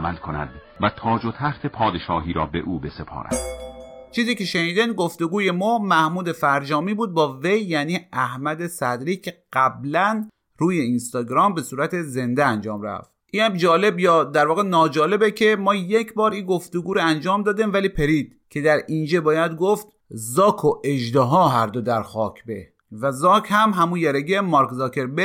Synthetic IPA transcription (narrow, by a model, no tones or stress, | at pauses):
æmælkʰonæ̰d̪ | væt̪ʰɒːd͡ʒot̪ʰæxt̪ʰepʰɒːd̪eʃɒːɦiːɾɒːbeʔuːbesepʰɒ̰ːɾæ̰d̪ | t͡ʃʰiːziːcʰe̞ʃeniːd̪inɡo̞ft̪oɡuːje̞mɒːmæhmuːd̪e̞fæɾd͡ʒɒːmiːbuːd̪̚bɒːve̞jːæːniːæhmæd̪e̞sæd̪ɾiːcʰe̞ɡ̥æblæn | ɾuːje̞inst̪ɒːɡɾɒːmbe̞suːɾæt̪ʰe̞ze̞nd̪eænd͡ʒɒːmɾæ̰ft̪ʔiːnhæmd͡ʒɒːle̞bjɒːd̪æɾvɒːɣenɒːd͡ʒɒːle̞becʰe̞mɒːjecʰbɒːɾinɡo̞ft̪oɡuːɾoænd͡ʒɒːmd̪ɒːd̪imvæliːpʰeɾiːd̪̥̚kʰe̞d̪æɾind͡ʒebɒːjæd̪ɡoft̪ | zɒːkʰoʔeʒd̪eɦɒːɦæɾd̪od̪æɾxɒːcʲʰbḛ | væzɒːkʰhæmɦæmujæɾeɡemɒɾkzɒːkʰeɾbe